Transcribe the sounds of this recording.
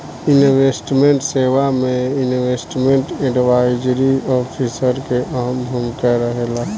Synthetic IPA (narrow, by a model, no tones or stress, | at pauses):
inwesʈmẽɳʈseːʋamẽinwesʈmẽɳʈẽɖiʋaːɪd͡ʒɾiɔːpʰisəɾkeʔaɦəmɦəmkɛɾəɦela